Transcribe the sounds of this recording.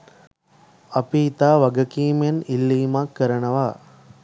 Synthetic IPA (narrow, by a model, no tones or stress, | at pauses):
ɐpiːt̪aːʋɐɡɐkiːmjenilːiːmakːəɾənɐʋaː